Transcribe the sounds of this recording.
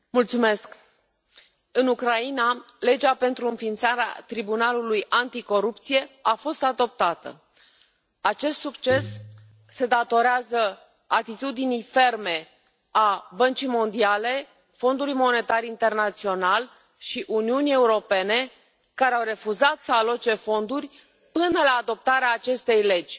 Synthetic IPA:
mult̪sume̞sk | ɨnukɾainale̞d͡ʒape̞nt̪ɾuɨnfint̪saɾea̰t̪ɾibunalulujant̪iko̞ɾupt̪sije̞afo̞st̪ad̪o̞p̚t̪at̪ə̰ | at͡ʃe̞st̪sukt͡ʃe̞sː | e̞d̪at̪o̞ɾeazə | at̪it̪ud̪inijfe̞rme̞ | abənt͡ʃijmo̞nd̪iale̞ | fo̞nd̪ulujmo̞ne̞t̪arʲint̪e̞rnat̪sio̞nal | ʃiʔuniunije̞uɾo̞pe̞ne̞ | kaɾeawre̞fuzat̪səalot͡ʃe̞fo̞nd̪urʲ | pɨnəlaːd̪o̞p̚t̪aɾeaːt͡ʃe̞st̪e̞jle̞d͡ʒʲ

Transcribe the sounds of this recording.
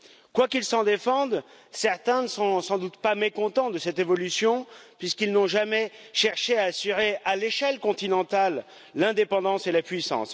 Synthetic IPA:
kwakilsɑ̃d̪efɑ̃d̪ | sɛʁt̪ɛ̃nəsɔ̃sɑ̃d̪ut̪pamekɔ̃t̪ɑ̃d̪əsɛt̪evɔlysjɔ̃pɥiskilnɔ̃ʒamɛʃɛʁʃeaːsyʁealeʃɛlkɔ̃t̪inɑ̃t̪alː | ɛ̃d̪epɑ̃d̪ɑ̃selapɥisɑ̰̃s

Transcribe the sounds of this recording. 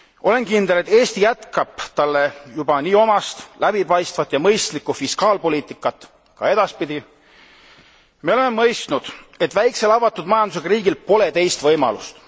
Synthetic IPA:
ʔo̞le̞nkind̪̥e̞le̞t̪ːˑe̞ːst̪ijæt̪kɑb̥t̪ɑlːe̞jubɑniːo̞mɑst̪læb̥ipɑjst̪vɑt̪ːˑjɑmɤjst̪likːˑufiskɑːlpo̞liːt̪ːˑikːˑɑt̪ːˑ | kɑ̰e̞d̪̥ɑspid̪̥i | meole̞memɤjst̪nud̪̥e̞t̪ːˑvæjkse̞lɑvɑt̪ːˑud̪mɑjɑnd̪usekɑɾiːɡilpo̞le̞t̪e̞jst̪vɤjmɑ̰lṵst̪

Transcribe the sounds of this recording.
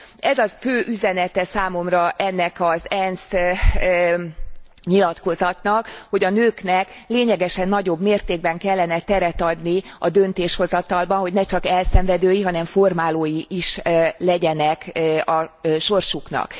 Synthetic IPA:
ɛzɒføːʔyzɛnɛt̪ɛsaːmo̞mrɒʔɛnːɛkɒzɛns | ɲilɒt̪ko̞zɒt̪nɒkho̞ɟɒnøːknɛkleːɲɛɡɛʃɛnːɒɟo̞bmeːrt̪eːɡ̚bɛŋkɛlːɛnɛt̪ɛɾɛt̪ɒd̪niɒd̪ø̞nt̪eːʃho̞zɒt̪ɒlbɒnɦo̞ɟnɛt͡ʃɒkɛlsɛɱvɛd̪øːjiɦɒnɛɱformaːloːjiʔiʃlɛɟɛnɛkɒʃo̞rʃukn̪ɒ̰k

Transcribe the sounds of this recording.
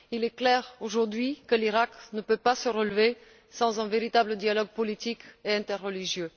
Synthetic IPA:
ilɛklɛʁoʒuʁd̪ɥikəliʁaknəpøpasəʁəlve | sɑ̃zɛ̃veʁit̪abləd̪jalɔɡ̚pɔlit̪ikeɛ̃t̪ɛʁːəliʒjø

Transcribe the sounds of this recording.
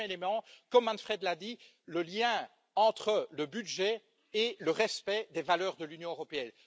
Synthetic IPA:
elemɑ̃kɔmːɑ̃nfχɛd̪lad̪i | ləljɛ̃ | ɑ̃t̪χələbyd̪ʒɛ | eləʁɛspɛd̪evalœːʁd̪əlynjɔ̃øʁɔpeɛn

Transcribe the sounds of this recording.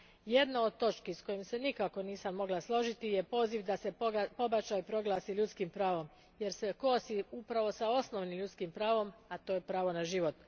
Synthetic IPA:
je̞d̪nao̞d̪̚t̪o̞t͡ʃkisko̞jimse̞nikako̞niːsamːo̞ɡlaslˠo̞ʒit̪ijepo̞ːziʋd̪ase̞po̞bat͡ʃaipɾo̞ɡlˠaːsiʎut̪skimpɾaːʋo̞m | je̞ɾseko̞ːsiupɾaʋo̞sao̞snoʋnimʎut̪skimpɾaːʋo̞mat̪oːjepɾaːʋo̞naʒiʋo̞t̪

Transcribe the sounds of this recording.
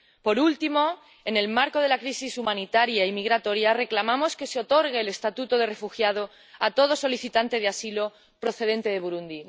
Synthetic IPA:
po̞ɾult̪imo̞ | e̞ne̞lmaɾko̞ðe̞lakɾisisumãnit̪aɾjaimiɣɾat̪oɾjare̞klamamo̞ske̞seo̞t̪o̞ɾɣeːle̞st̪at̪ut̪oð̞e̞re̞fuxjað̞o̞ | at̪o̞ð̞o̞so̞liθit̪ant̪e̞ðeasilo̞ | pɾo̞θe̞ð̞e̞nt̪e̞ð̞e̞βuɾund̪i

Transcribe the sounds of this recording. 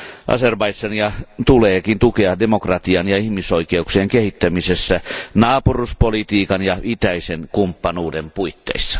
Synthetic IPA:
ʔɑ̰serbɑisɑnjɑt̪uleːkint̪ukeɑdemokrɑt̪iɑnjɑihmisoikeukseːŋkehit̪ːæmisesːænɑːpuruspolit̪iːkɑnjɑit̪æisenkumpːɑnuːdempuit̪ːḛisːɑ̥

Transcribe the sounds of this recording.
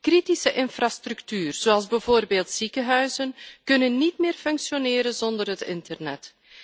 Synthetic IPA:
kritisəʔɪnfrastryktyːrz̥oːɑlˠzbɛvoːrbeːlˠtsikəɦœɥzənkɵnənːitmɪːrfɵŋksjonɪːɾənzɔndərɦətɪ̰ntərnɛt

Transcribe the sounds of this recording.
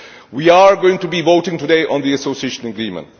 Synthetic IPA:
wiaɹɡoʊɪ̃ŋtubivoʊtɪ̃ŋtudeɪʔɔ̃nðiəsoʊsieʃə̃nəɡɹĩːmə̰̃nt

